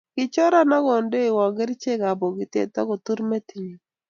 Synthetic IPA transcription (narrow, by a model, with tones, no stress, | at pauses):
ɡ̥ɪ˨t͡ʃɔ˦ɾa˦na˦ɡɔ˨nde˦ɪ˨wɔ˨ɡɪ˦ɾt͡ʃe˦ɡa˨bɔ˨ɡɪ˨tḛ˨t̪ɔ˦ɡɔ˨t̪u˦ɾme˦ti˨ɲo˨